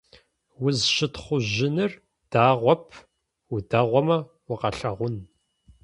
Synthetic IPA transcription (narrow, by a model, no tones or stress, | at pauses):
wʊzʃɪtχʷʊʑɪnɨr | d̥aːʁʷɔpʰ | udaːʁʷɔmɐ | wʊqɐɬɐʁʷʊn